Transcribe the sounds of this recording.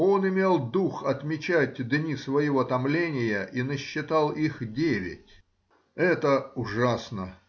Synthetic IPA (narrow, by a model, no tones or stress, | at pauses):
o̞nɪmʲelˠd̪uxɐt̪mʲɪt͡ɕætʲd̪nʲisvəjɪvot̪ɐmlʲenʲɪjəʔinəɕːɪt̪ɑlˠixdʲevʲɪ̰tʲ | ɛt̪əʊʐasnə